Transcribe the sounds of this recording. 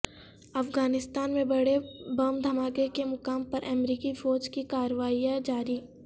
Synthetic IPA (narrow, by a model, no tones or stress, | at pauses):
ɐfɡaːnɪst̪aːnmẽbɐɽebɐːmd̪ʱɐmaːkekemʊkaːmpɐɾʔɐmɾiːkifoːd͡ʒkikaːɾəʋaːijad͡ʒaːɾiː